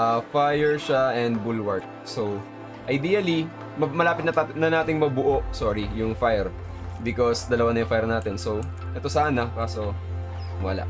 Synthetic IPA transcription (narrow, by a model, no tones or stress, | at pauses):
ʔɐfajɛɹʃaʔɛnd̪̚bulwɐɹt̪̚ | sow | ʔɐjd̪iːjɐli | mɐmɐlaːpɪt̪̚nɐt̪anɐnaːt̪ɪŋmɐbʊʔoʔsoːɹijʊŋfajɛɹ | bɪkosd̪ɐlɐwanɐjʊŋfajɛɾnaːt̪ɛnso | ʔɛt̪o̞saːnɐkaːso̞ | wɐla̰ʔ